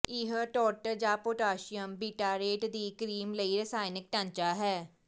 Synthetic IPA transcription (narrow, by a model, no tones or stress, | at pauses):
iɦəʈɔːɾʈəɾd͡ʒaːpoːʈaːʃɪjəmbiːʈaːɾeːʈd̪iːkɾiːmləiːɾəsaːɪnɪk̚ʈãɲt͡ʃaːɦɛː